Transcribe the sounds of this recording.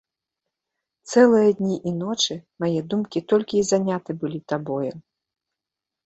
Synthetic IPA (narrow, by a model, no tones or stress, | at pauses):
t̪sɛlˠɨjɐd̪ʲnʲiʔinɔt͡ʂɨmajɛd̪umkʲit̪ɔlʲkʲiːzanʲat̪ɨbɨlʲit̪abɔjɛ